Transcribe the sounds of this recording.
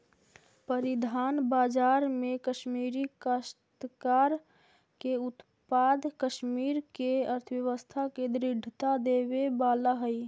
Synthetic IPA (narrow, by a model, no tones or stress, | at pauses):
pəɾɪd̪ʱaːnbaːd͡ʒaːɾmẽkəʃmiːɾikəst̪kaːɾ | keʊt̪ | paːd̪ʱkəʃmiːɾkeəɾt̪ʰəwjəʋəst̪ʰaked̪ɾɪɖʱt̪ad̪eːwebaːlaɦəi